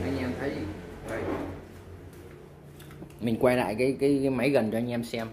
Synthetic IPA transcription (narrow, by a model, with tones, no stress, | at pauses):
ʔaː˧ɲ̟ʔɛ˧mt̪ʰə˨˦jvə˨˩j | mï˨˩ŋ̟kwaː˧jla̰ː˧˨jkaː˨˦jkaː˨˦jma˨˦jɣə˨˩nt͡ɕɔ˧ʔaː˧ŋ̟ʔɛ˧msɛ˧m